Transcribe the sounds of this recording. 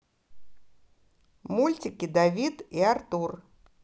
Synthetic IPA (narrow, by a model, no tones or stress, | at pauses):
mulʲt͡sʲikʲid̪avʲit̪iart̪ur